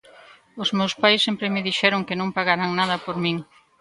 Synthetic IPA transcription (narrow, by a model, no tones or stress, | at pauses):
ʊzmewspajsːɛmpɾɪmɪðiʃɛɾoŋkɪnõŋpaɣaɾaŋnaðɐpoɾmiŋ